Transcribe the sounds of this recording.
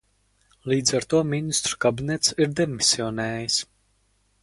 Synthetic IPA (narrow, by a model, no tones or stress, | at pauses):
lˠiːd̪zaɾt̪uɔminist̪ɾu̥kabinʲɛt̪siɾd̪ʲɛmisʲiɔnɛːjis